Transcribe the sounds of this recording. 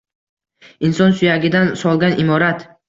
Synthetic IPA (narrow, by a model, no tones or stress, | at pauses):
insɒnsʊjaɡʲɪd̪ansɒlˠɡʲanɪmɒɾat̪